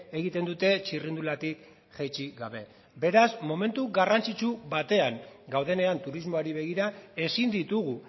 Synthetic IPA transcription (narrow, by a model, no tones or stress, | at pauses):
e̞ɣ̞it̪e̞nd̪ut̪e̞t͡ʃirind̪ulat̪ik | ʝajt͡ʃiɡaβ̞e̞ | be̞ɾasmo̞me̞nt̪uɣarant͡sit͡ʃuβat̪e̞aŋɡawðe̞ne̞ant̪uɾizmo̞aɾiβ̞e̞ɣ̞iɾae̞sind̪it̪uɣu